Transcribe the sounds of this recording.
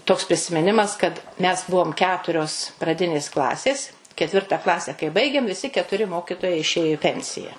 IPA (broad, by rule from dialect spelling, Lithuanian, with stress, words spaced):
ˈtoːks pʲrʲɪsʲɪmʲɪˈnʲɪmɐs kɐt ˈmʲɛs ˈbʊʋoːm ˈkʲæːtʊrʲoːs prɐˈdʲɪnʲeːs ˈklˠɑːsʲeːs kʲɛˈtʲʋʲɪrtɐ ˈklˠɑːsʲɛ kɐɪ ˈbɐɪɡʲeːm ʋʲɪˈsʲɪ kʲɛtʊˈrʲɪ ˈmoːkʲɪtoːjɛɪ ɪʃʲˈeːjoː ɪ ˈpʲɛnʲsʲɪjɛ